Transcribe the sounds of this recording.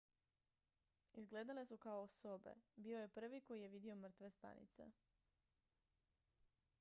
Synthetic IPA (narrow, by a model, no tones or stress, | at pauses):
izɡle̞ːd̪ale̞sukaoosobe̞̰biːo̞je̞pr̩ʋiko̞jije̞ʋid̪io̞mr̩t̪ʋe̞st̪a̰nḭt̪se̞̰